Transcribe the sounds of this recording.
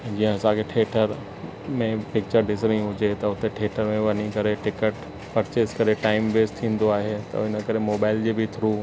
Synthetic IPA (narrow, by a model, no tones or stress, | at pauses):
d͡ʑiɦə̃ɐsãkʰeʈʰeːʈʰəɾ | mẽpɪk̚t͡ɕəɾɖɪs̬ɾĩɦʊd͡ʑet̪ɐʊt̪eʈʰeːʈʰəɾmẽʋɐɲikɐɾeʈɪkəʈ | pɐɾt͡ɕeːskɐɾeʈaːɪmbeːst̪ʰĩːn̆d̪oaːɦet̪ɐ̰ɪnə̆kɐɾemoːbaːɪld͡ʑebʱɪt̪ʰɾuː